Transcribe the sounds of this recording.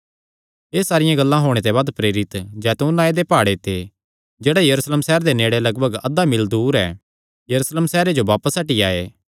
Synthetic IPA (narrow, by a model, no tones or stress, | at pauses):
eːsaːɾɪjãɡɐlːãɦoːɽ̃et̪̬ebaːd̪pɾeːɾɪt̪d͡ʒɛːt̪õnãːed̪epaːɽet̪ʰe | d͡ʒeːɽajɐɾuːsleːmsɛɦːɾd̪eneːɽelɐɡbʱəɡɐd̪amɪld̪uːɾɛ̰ː | jɐɾuslemsɛːɾed͡ʒoʋaːpəsɐʈia̰ːḛː